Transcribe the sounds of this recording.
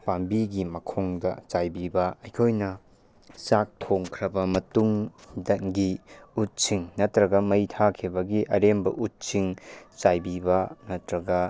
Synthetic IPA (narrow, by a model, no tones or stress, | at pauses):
pambiɡimɐkʰoŋdɐ̰t͡ʃajbibɐɐjkʰojnɐ | sak̚tʰoŋkʰɾɐbɐmɐtuŋdɐŋɡiut̚siŋnɐtɾɐɡɐmɐjtʰakʰibɐɡiʔɐɾembɐ̰ʔut̚siŋt͡ʃajbibɐnɐtɾɐɡɐ